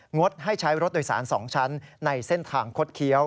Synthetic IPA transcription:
ŋo˦˥t̪̚ɦa˥˩jt͡ɕʰa˦˥jɾo˦˥t̪̚doː˨˧jsa̰ː˩˦nsɔ̰ː˩˦ŋt͡ɕʰa˦˥nːa˧jse˥˩nt̪ʰaː˧ŋkʰo˦˥t̪̚kʰi˦˥əw

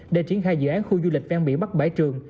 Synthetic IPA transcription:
ɗe˧˩t͡ɕi˧˩ənxaː˧jzɨ̰˧˨ʔaː˨˦nxu˧zu˧lï˨˩k̟̚vaː˧ŋɓḭ˧˨ɓa˦˥t̚ɓa˧˩jt͡ɕɨ˨˩əŋ

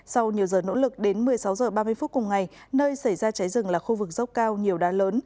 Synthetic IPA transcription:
sa˧wɲi˨˩əwzəː˨˩no̰˧˥lɨ˨˩k̚ɗe˨˦nmɨ˨˩əjsa˨˦wzəː˨˩ɓaː˧mɨ˧əjfu˦˥t̚kʊ˨˩ŋ͡mŋa˨˩j | nəː˧jsa˧˩jzaː˧t͡ɕa˨˦jzɨ˨˩ŋlaː˨˩xu˧vɨ˨˩k̚zə˦˥k͡p̚kaː˧wɲi˨˩əwɗaː˨˦ləː˨˦n

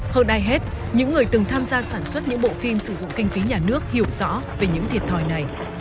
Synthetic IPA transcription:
həː˧nɗaː˧jɦe˦˥t̚ | ɲɨ̰˧˥ŋːɨ˨˩əjt̪ɨ˨˩ŋt̪ʰaː˧mzaː˧saː˧˩nswə˦˥t̚ɲɨ̰˧˥ŋɓo̰˧˨fi˧msɨ˧˩zʊ̰˧˨ŋ͡mkï˧ŋ̟fi˨˦ɲaː˨˩nɨ˦˥ək̚hi˧˩əwz̥ɔ̰˧˥ve˨˩ɲɨ̰˧˥ŋt̪ʰi˨˩ət̚t̪ʰɔ˨˩jna˨˩j

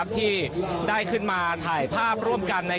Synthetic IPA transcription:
p̚t̪ʰiː˥˩daː˥˩jkʰɯ˥˩nmaː˧t̪ʰaː˨˩jpʰaː˥˩p̚ɾu˥˩əmka˧nːa˧

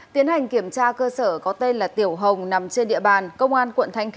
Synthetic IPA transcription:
t̪i˨˦ənha˨˩jŋ̟ki˧˩əmt͡ɕaː˧kəː˧səː˧˩kɔ˨˦t̪e˧nlaː˨˩t̪i˧˩əwɦə˨˩wŋ͡mna˨˦mt͡ɕe˧nɗḭ˧˨əɓaː˨˩nkə˧wŋ͡mʔaː˧nkwə̰˧˨nt̪ʰa˧jŋ̟x

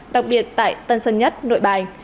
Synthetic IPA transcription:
ɗa˨˩k̚ɓi˨˩ət̚t̪a̰ː˧˨jt̪ə˧nsə˧nɲə˦˥t̚no̰˧˨jɓaː˨˩jŋ

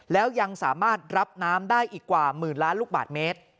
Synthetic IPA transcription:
lɛː˦˥wja˧ŋsaː˨˩˦maː˥˩t̪̚ɾa˦˥p̚naː˦˥mdaː˥˩jʔiː˨˩kːwaː˨˩mɯː˨˩nlaː˦˥nluː˥˩k̚ba̰ː˨˩t̪̚meː˦˥t̪̚

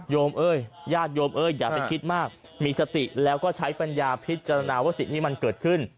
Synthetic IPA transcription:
joː˧mʔɤː˧˥˩jjaː˥˩t̪̚joː˧mʔɤː˧˩jːaː˨˩kpa˧jkʰi˦˥t̪̚maː˥˩k̚ | miː˧sa˧t̪i˨˩lɛː˦˥wkɔː˥˩t͡ɕʰa˦˥jpa˧njaː˧pʰi˦˥t̪̚t͡ɕa˧ɾa˧naː˧waː˥˩si˨˩ŋt̪iː˥˩ma˧nkɤː˨˩t̪̚kʰɯ˥˩n

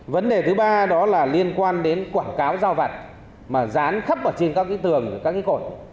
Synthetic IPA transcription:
və˨˦nɗe˨˩t̪ʰɨ˨˦ɓaː˧ɗɔ˨˦laː˨˩li˧ənkwaː˧nɗe˨˦nkwaː˧˩ŋkaː˨˦wzaː˧wva˨˩t̚ | maː˨˩zaː˨˦nxə˦˥p̚ʔəː˧˩t͡ɕe˧nkaː˦˥k̚ʔi˨˦jt̪ɨ˨˩əŋɨ˧˩kaː˦˥k̚ːi˨˦xo˧˩j

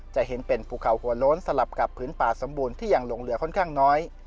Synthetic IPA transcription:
t͡ɕa˨˩he˩˦npe˧npʰuː˨˩kʰa˨˩wkʰu˨˩ɐloː˦˥nsa˧la˨˩p̚ka˨˩pʰːɯː˩˦npaː˨˩t̪̚so˩˦mbuː˧nt̪ʰiː˥˩ja˨˩ŋlo˧ŋlɯ˨˩˦ɐkʰɔ˥˩nkʰaː˥˩ŋnɔː˦˥j

